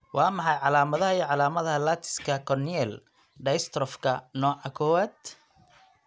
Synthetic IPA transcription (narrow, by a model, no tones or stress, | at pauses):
wɑːmɑħɑjʕɑlaːmɐðɐhɐiːʕɑlaːmɐðɐɦɐlat̪ʰɪ̥skʰɐkʰɔniɛl | ɖɐst̪ɾɔfkʰɐnɔːʕɑkʰɔwaːd̪